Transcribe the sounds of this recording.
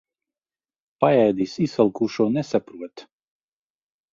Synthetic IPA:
pajajd̪iːsisɛlˠkuːʃuɔnɛsapɾuɔt̪

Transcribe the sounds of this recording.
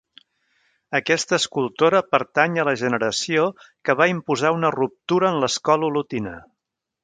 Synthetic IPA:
əkɛst̪əːskulˠt̪oɾəpəɾt̪aɲələʒənəɾəsiokəβaimpuzaunərup̚t̪uɾəːnləskɔlulut̪inə̰

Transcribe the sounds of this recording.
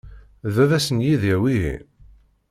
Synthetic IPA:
ðævæsənjiðiwiɦḭ

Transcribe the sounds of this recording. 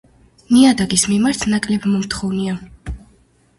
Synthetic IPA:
niad̪aɡismimaɾt̪ʰnakʼlɛbmɔmt̪ʰχɔvnia

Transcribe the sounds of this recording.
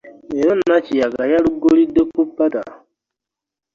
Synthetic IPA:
eɾɔnat͡ʃiaɡajaɾuɡoɾidopːupːata̰

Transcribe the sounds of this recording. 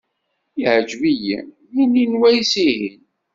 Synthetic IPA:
iʕəd͡ʒvijḭ | mininwæjsihin

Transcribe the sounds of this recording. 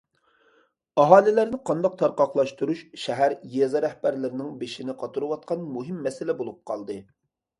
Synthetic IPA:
ɑɦɑːlɪlæɾnɪqʰɑnd̪ɑq̚t̪ʰɑɾqɑχlˠɑʃt̪uɾuʃʃɛɦæɾjɛzɑɾɛhbæɾlɪɾɪnɪŋbeʃinɪqʰɑt̪ʰuɾuwɑt̪̚qʰɑnmuɦɪmːɛsɪlɛbolˠup̚qʰɑlˠd̪ɨ

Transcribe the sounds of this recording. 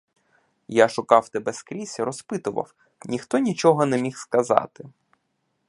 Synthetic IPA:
jaʃʊkɑwt̪ɛbɛskɾʲisʲɐɾɔspɪt̪ʊʋɐ̰w | nʲixt̪ɔnʲit͡ʃɔɦɔnɛmʲixskɐzɑ̰t̪ɪ

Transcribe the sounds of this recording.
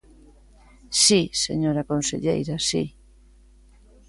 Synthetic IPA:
sisḛɲoɾakonsḛʎḛjɾasi

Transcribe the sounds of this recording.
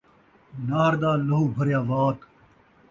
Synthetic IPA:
naːɾd̪aːlɐɦuːbʱɐɾjaːʋaːt̪

